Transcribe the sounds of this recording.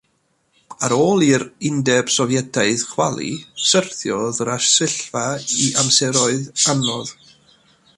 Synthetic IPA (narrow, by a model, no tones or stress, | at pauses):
aɾoːlˠiɾɪndɛb̥sɔvjɛdʰaɨð̥χwalˠḭsərθjɔðraʃsɪɬvaiʔamsɛɾɔɨðanɔð